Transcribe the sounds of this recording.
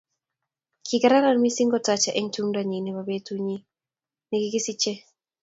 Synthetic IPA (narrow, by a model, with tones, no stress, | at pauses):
kʰɪ˨ɡa˨ɾa˦ɾa˨nmi˦si˦ŋɡɔ˦ta˨t͡ʃa˨ʔe˦ŋtu˦mda˨ɲi˨ni˨ba˨be˦tu˦ɲi˦ | ni˨ɡi˦ɡi˦si˦t͡ʃe˦